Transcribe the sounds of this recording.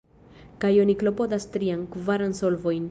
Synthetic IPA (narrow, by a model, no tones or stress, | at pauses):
kajoniklopod̪ast̪ɾiaŋkuvaɾansolvojn